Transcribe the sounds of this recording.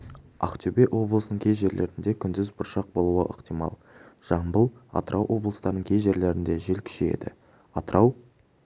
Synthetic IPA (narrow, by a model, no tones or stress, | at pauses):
ɑ̰qt̪ʲʰybeʔwʔo̞blˠəsənəɴkʲʰe̞zʒe̞ɾle̞ɾɪnd̪e̞kʲʰʏnd̪ɪzbʊɾʃɑq̚bo̞lˠuəʔəqt̪ijmɑ̰lˠ | ʒ̥ɑɴbəlˠɑ̰t̪əɾʔɑwʔo̞blˠəst̪ɑɾnəŋkʰʲe̞zʒe̞ɾle̞ɾɪnd̪e̞ʒelkʲʰʏ̥ʃeḛd̪ɪ̰ | ɑt̪əɾʔɑw